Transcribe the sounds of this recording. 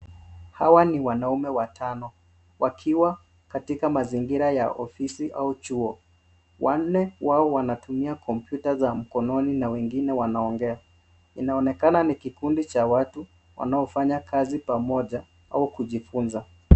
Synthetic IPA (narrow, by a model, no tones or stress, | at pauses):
hawaniwanaumɛwatʰanɔ | wakʰiwa | katikamaziŋɡiɾaja̰ʔɔfisiʔa̰ut͡ʃuɔ | wan̩nːɛwaɔwanatumiakʰɔmpjutazam̩kɔnɔninawɛŋɡinɛwanaɔŋɡɛa | inaɔnɛkananikikundit͡ʃawatu | wa̰naɔfaɲakʰazipamɔʄa | a̰ukuʄifunza